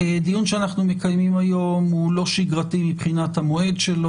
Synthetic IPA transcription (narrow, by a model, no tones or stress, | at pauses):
d̪ijunʃeanaχnume̞kajmimajo̞mulo̞ʃiɡʁatimipχinat̪hamo̞e̞dʃelo